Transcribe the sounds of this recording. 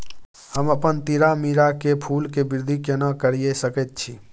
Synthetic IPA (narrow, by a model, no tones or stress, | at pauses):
həməpənt̪iɾamiɾakepʰulkebiɾd̪ʱikenəkəɾiesəkɛt̪̚t͡ʃʰi